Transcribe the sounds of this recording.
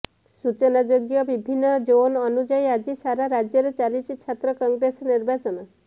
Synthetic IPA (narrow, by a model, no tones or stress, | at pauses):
sut͡ʃɔnad͡ʒoɡjɔbibʱinːɔd͡ʒoɔnɔnud͡ʒaiad͡ʒisaɾaɾad͡ʒjɔɾet͡ʃalit͡ʃʰit͡ʃʰat̪ɾɔkɔŋɡɾesniɾbat͡ʃɔnɔ